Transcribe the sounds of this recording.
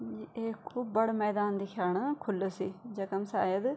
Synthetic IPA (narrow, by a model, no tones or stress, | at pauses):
eːkʰuːbbəɽmɛːd̪aːnd̪iːkʰjaːɳaːkʰʊlːoːsiːd͡ʒəkəmsa̰ːjəd̪